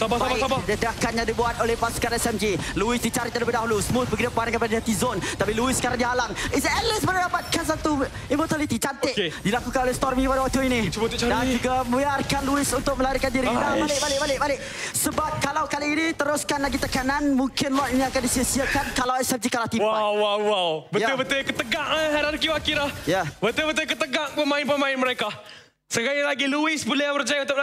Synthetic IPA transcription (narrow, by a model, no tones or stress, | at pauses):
babd͡ʒadakanɲãdibuat̪olɛhpaskaɾɛsɛmd͡ʒiluɪsdit͡ʃaɾiʔ̪̚əɾəbadaɦulusəmʊt̪̚bəɡid̪apaananŋkəpadadat̪izɔnt̪apiluɪsːəkaɾaŋdiɦalaŋsɛlɪsbəɾladapat̪̚kansat̪u | imɔt̪alit̪it͡ʃant̪ɪʔdilakukanolɛhst̪ɔrmikəpadawak̚t̪uinidand͡ʒuɡaməbiarkanluɪsunt̪ʊk̚məlaɾikandiɾidabalɪkbalɪkbalɪʔ̚balɪʔ | səbap̚kalawkaliinit̪əɾʊskanlaɡit̪əkananmuŋkɪnlɔt̪iniakandisiəsiakankalawsap̚t̪ikalaht̪iwaawwawwawbəjtaubət̪ujkət̪əɡaŋɦaɾankiwakiɾahjabət̪ubət̪̬ujkət̪əɡaŋpəmãɪnpəmãɪnməɾeka | səɡajilaɡiluɪsbulɛbərd͡ʒajaut̪apa